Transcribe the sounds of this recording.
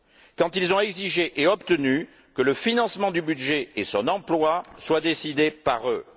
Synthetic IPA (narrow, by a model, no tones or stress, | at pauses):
kɑ̃t̪ilzɔ̃ɛɡziʒeʔeɔpt̪əny | kələfinɑ̃smɑ̃d̪ybyd̪ʒeesɔ̃nɑ̃plwaswad̪esid̪epaʁø